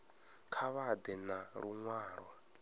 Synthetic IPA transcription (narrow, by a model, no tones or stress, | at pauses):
kʰaβad̪ɛnaɺuŋwaːɺwa